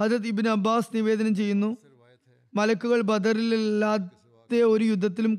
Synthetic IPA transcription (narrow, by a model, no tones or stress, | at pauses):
hɐd̪ɾɐt̪̬ibnɐbːaːsniʋe̞ːd̪ɐnɐmt͡ɕe̞jːunːu | mɐlɐkːuɣɐɭbɐd̪ɐrillːaː | t̪ːeo̞ɾujud̪ʱːɐt̪ːilum